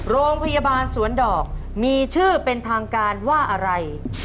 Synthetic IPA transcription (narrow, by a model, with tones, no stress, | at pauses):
ɾoː˧ŋpʰa˧ja˧baː˧nsu˩˦əndɔː˨˩k̚ | miː˧t͡ɕʰɯː˥˩pe˧nt̪ʰaː˧ŋkaː˧nwaː˥˩ʔa˧ɾa˧j